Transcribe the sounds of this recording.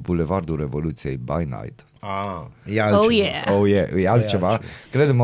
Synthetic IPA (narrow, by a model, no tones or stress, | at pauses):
bulevard̪uɾevolut̪sije̞jba̰jna̰jt̪ | ajalojeowjeʔjalt͡ʃevakɾed̪əm